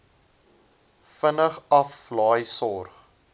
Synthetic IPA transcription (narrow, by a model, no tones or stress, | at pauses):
fənəχɐflɑːjsɔrχ